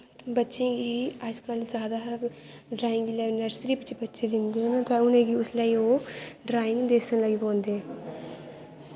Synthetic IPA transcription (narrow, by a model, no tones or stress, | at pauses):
bətːʃẽːɡiːəd͡ʒkəlzjaːd̪aːɖɾaːɪ̃ŋɡilɛːnəɾsɾiːbɪt͡ʃbətːʃeːd͡ʒɪnd̪eɦɛ̃ːnat̪ãʊnẽːɡiːʊslaːiːoːɖɾaːɪ̃ŋɡd̪eːsə̃nləɡiːpõːnd̪eɛ̃